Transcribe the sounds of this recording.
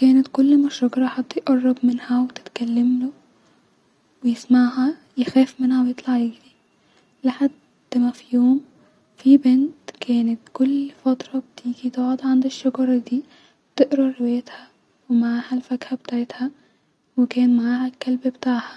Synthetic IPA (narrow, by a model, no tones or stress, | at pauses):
kæːnæt̪kʊlːmæʃɑɡɑɾˤɑħɑt̪ˤːjʔɑrˤːɑbmɪnhæwet̪ɪ̥t̪kælːamlo | wejɪsmaʕhæ | jexæːfmɪnhæwejet̪ˤlɑʕjeɡɾi | lɪħad̪ːmæfijoːm | fibent̪kʰæːnet̪kʊlːfɑt̪ɾˤɑb̚t̪iːɡit̪eʕod̪ʕand̪ɪʃːɑɡɑɾˤɑd̪iː | bt̪ɪʔɾɑːɪwæjet̪hæ | wemaʕaːhælfæɡhæbet̪aːʕet̪hæ | wekæːnmaʕaːhælkːælbbet̪aːʕhæ